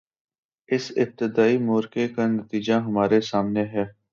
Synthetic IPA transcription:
ɪsɪb̚t̪ɪd̪aːimoːɾkekanət̪iːd͡ʒaɦɐmaːɾesaːmneɦɛː

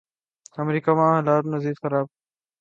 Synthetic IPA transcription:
əmɾiːkaːmãːɦɐlaːɾnəziːd̪xəɾaːb̚

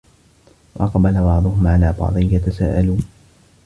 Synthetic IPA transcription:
wɑʔɑqbalabɑʕd̪ˤʊhʊmʕalaːbɑ̰ʕd̪ˤɨnjat̪asaːʔaluːn

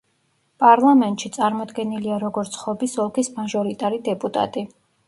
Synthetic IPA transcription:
pʼaɾlˠamɛnt̪ʼʃit̪sʼaɾmɔd̪ɡɛniliaɾɔɡɔɾt̪sʰχɔbisɔlˠkʰismaʒɔɾit̪ʼaɾid̪ɛpʼut̪ʼa̰t̪ʼi

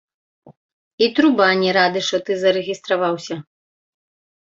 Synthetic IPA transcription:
it̪ɾubanʲiɾad̪ɨʂt̪ɔt̪ɨzɐɾɛɣʲist̪ɾavawsʲɐ

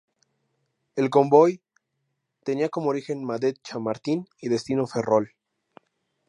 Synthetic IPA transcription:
e̞lko̞mbo̞j | t̪e̞niako̞mooɾixe̞nmaðet̪̚t͡ʃamaɾt̪iniðe̞st̪inofe̞rol

